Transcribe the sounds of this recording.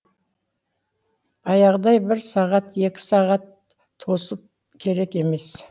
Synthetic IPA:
ɑjɑʁd̪ɑjbɪɾsɑʁɑt̪e̞kʲɪ̥sɑʁɑt̪ʰː | o̞səp̚ | kʲʰe̞ɾe̞ke̞me̞s

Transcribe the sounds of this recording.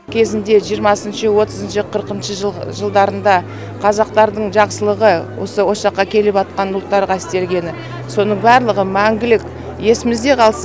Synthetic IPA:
kʲʰe̞zɪnd̪e̞ʒijəɾmɑsənʃəwo̞t̪əzənʃəqʰəɾqənʃəʒʒəlˠd̪ɑɾənd̪ɑ | qʰɑzɑq̚t̪ɑɾd̪əɴʒɑqsəlˠəʁəwo̰səwo̞ʃɑqːɑkʲʰe̞lɪpɑt̪̚qɑnʊlˠt̪ːɑɾʁɑɪst̪e̞lɡʲe̞nɪ | so̞nəɴbɑɾlˠəʁəmæŋɡʲɪlɪkʲ | je̞sɪmɪzd̪e̞qʰɑlˠs

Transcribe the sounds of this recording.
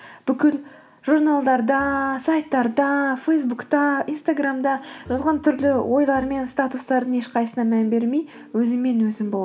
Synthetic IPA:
b̥ʏkʲɪl | ʒuɾnalˠd̪ɑɾd̪ɑsajt̪ːɑɾd̪ɑfejsbukt̪ɑijnst̪aɡramd̪ɑʒɑzʁɑnt̪ʰʏɾlɪwʔo̞jlˠɑɾme̞nst̪at̪ust̪ɑɾd̪əɴeʃqʰɑjsənɑmænbe̞ɾmej | wɵzɪmːe̞nwɵzɪmbolˠ

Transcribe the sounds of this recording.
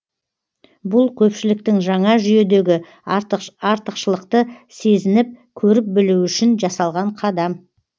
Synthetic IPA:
bʊlˠkʲʰɵpʃɪlɪk̚t̪ɪŋʒɑɴɑʒʏje̞d̪e̞ɡʲɪ | ɑɾt̪əqʃəlˠəqt̪əse̞zɪnɪp̚kʲʰɵɾɪp̚bɪluʏʃɪnʒɑsɑlˠʁɑɴqʰɑd̪ɑm

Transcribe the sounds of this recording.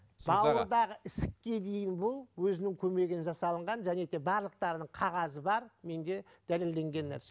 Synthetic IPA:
bɑwəɾd̪ɑʁəʔɪsɪkʲːe̞d̪e̞jɪnbʊlˠwɵzɪnɪŋkʲʰɵme̞ɡʲɪnʒɑsɑlˠəɴʁɑnʒæne̞d̪e̞bɑɾlˠəq̚t̪ɑɾənəɴqʰɑʁɑzəbɑɾme̞nd̪e̞ | d̪̥æle̞ld̪e̞ŋɡʲe̞nːæ̰ɾse

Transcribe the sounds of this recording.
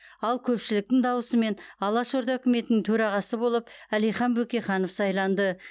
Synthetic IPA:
ɑlˠkʲʰɵpʃɪlɪk̚t̪ɪŋd̪ɑwəsəme̞nɑlˠɑʃoɾd̪ɑɵkʲɪme̞t̪ɪnɪŋt̪ʰɵɾɑʁɑsəbo̞lˠəpælijχɑnbɵkʲe̞χɑno̞fsɑjlˠɑnd̪ə

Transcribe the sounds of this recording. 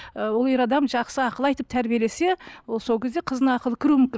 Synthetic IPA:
wolˠeɾɑd̪ɑmʒɑqsəɑqəlˠɑjt̪əp̚t̪ʰæɾbije̞le̞se̞wolˠso̞lkʲe̞zd̪eqʰəzənɑɑqəlˠəkʲʰɪɾumʏmkʲɪn

